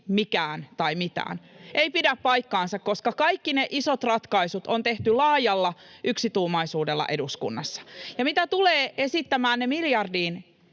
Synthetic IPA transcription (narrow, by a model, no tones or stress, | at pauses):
mikæːnt̪ɑimit̪æ̰ːnʔeipidæppɑjkːɑːnsɑkkoskɑkɑikːineʔisot̪rɑt̪kɑisut̪ont̪eht̪ylɑːjɑlːɑʔyksit̪uːmɑisuːdelːɑ̰ʔe̞duskṵnːɑsːɑ̥jɑmit̪æt̪uleːe̞sit̪ːæmæːnnemiljɑrdiːn